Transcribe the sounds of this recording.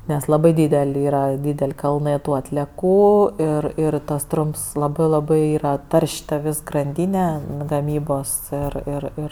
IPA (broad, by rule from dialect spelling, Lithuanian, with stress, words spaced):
nʲɛs lˠɐˈbɐɪ ˈdʲiːdʲɛlʲ ˈiːrɐ ˈdʲiːdʲɛlʲ ˈkɐlˠnɜ ˈtuː ɐtʲlʲiɛˈkuː ɪr ˈɪr tɐs ˈtrʊmps ˈlˠɑːbɜ ˈlˠɑːbɜ ˈiːrɐ ˈtɐrʲʃʲ tɐ ˈʋʲeːs ɡrɐnʲˈdʲiːnʲɛ ɡɐˈmʲiːboːs ɪr ɪr ˈɪr